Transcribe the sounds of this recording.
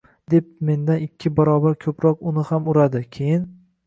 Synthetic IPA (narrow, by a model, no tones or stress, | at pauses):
d̪e̞p̚me̞nd̪anɪkʲʰːɪbaɾɒbaɾkʲʰɵpɾɒqʊnɪhamʊɾad̪ɪkʲʰe̞jɪn